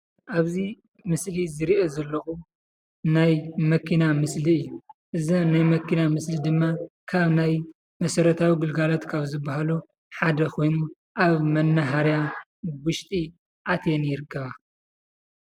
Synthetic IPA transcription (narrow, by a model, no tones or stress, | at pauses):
ʔaβzi | mɨslizɨɾiʔozɐlːɐxu | najmɐkʰinamɨsliɨjːuʔɨzinajmɐkʰːinamɨslid̪ɨmːakʰaβnaj | mɐsɐɾɐt̪ʰawiɡɨlɡalot̪kʰaβzɨbːahalu | ħad̪ɐkʰo̞jnu | ʔaβmɐnːɐɦaɾja | wʊʃt̪ʼi | ʔat̪ʰenjɪɾɨkʰːɐβa